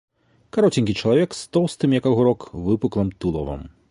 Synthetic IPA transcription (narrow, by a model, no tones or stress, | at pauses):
kaɾɔt͡sʲinʲkʲit͡ʂɐlˠavʲɛkst̪ɔwst̪ɨmjakaɣuɾɔkvɨpuklˠɐmt̪ulˠɔ̰vɐ̰m